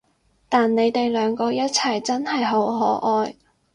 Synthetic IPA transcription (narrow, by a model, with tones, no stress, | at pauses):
t̪aː˨nne˨˧jt̪e˨jlœː˨˧˥ŋkɔː˧jɐ˥t̚t͡sʰɐ˨jt͡sɐ˥nhɐ˨jɦo˨˥wɦɔː˨˥ʔɔː˧j